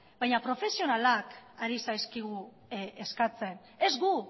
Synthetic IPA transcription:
bajɲapɾo̞fe̞sio̞nalakaɾisajskiɣ̞u | eskat͡se̞n | e̞zɣu

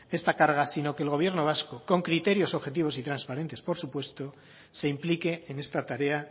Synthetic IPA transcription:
e̞st̪akaɾɣ̞asino̞keːlɣo̞β̞je̞ɾno̞β̞askoko̞ŋkɾit̪e̞ɾjo̞so̞βxe̞t̪̬iβo̞sit̪ɾanspaɾe̞nt̪e̞spo̞ɾsupwe̞st̪o̞ | se̞implike̞ːne̞st̪at̪aɾe̞a

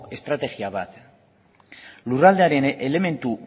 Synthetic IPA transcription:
e̞st̪ɾat̪e̞ɣiaβat̪ | lurald̪e̞aɾe̞nʔele̞me̞nt̪u

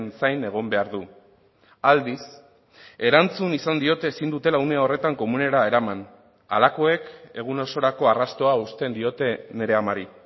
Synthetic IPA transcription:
nsajne̞ɣ̞o̞mbe̞aɾðu | ald̪is | e̞ɾant͡sunisand̪io̞t̪e̞ːsind̪ut̪e̞laune̞ao̞re̞t̪aŋko̞mune̞ɾae̞ɾaman | a̰lako̞e̞ke̞ɣ̞uno̞so̞ɾako̞arast̪o̞aust̪e̞nd̪io̞t̪e̞ne̞ɾe̞amaɾi

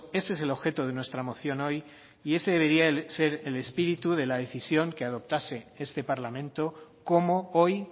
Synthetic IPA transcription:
e̞sees̬e̞lo̞βxe̞t̪oðe̞nwe̞st̪ɾamo̞θjo̞no̞j | ie̞seðe̞βe̞ɾiase̞ɾele̞spiɾit̪uð̞e̞laðe̞θisjo̞ŋke̞að̞o̞p̚t̪ase̞e̞st̪e̞paɾlamẽnt̪o̞ko̞mo̞o̞j

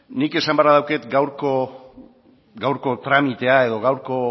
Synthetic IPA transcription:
nike̞sambaɾað̞awke̞t̪ɡawɾko̞ | ɡawɾko̞t̪ɾamit̪e̞ae̞ðo̞ɣawɾko̞

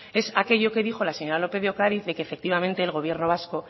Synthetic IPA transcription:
e̞sake̞ʝo̞ke̞ðixo̞laseɲo̞ɾalo̞pe̞ðokaðiθðe̞keːfe̞k̚t̪iβamẽnt̪e̞ːlɣo̞βje̞ɾno̞β̞asko̞

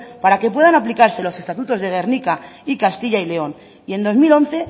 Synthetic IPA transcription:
paɾake̞p̬we̞ðanaplikaɾse̞lo̞se̞st̪at̪ut̪o̞zðe̞ɣ̞e̞ɾnikaikast̪iʝaile̞o̞n | ie̞nd̪o̞zmilo̞n̟θe̞

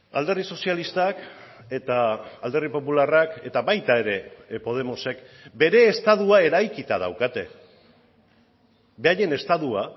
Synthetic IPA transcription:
a̰ld̪e̞riso̞sialist̪ak | e̞t̪aːld̪e̞ripo̞pularake̞t̪aβajt̪ae̞ɾe̞po̞ð̞e̞mo̞se̞kbe̞ɾe̞ːst̪aðuae̞ɾajkit̪að̞a̰wkat̪e̞̰ | be̞aje̞ne̞st̪aðua

